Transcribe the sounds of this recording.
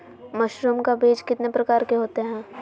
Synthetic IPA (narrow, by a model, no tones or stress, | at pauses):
mɐʃɾumkabeːd͡ʒkɪt̪nepɾɐkaːɾkeɦoːt̪eɦɛ̃ː